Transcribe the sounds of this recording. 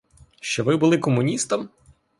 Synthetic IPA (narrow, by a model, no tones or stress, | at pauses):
ʃt͡ʃɔʋɪbʊlˠɪkɔmʊnʲist̪ɐm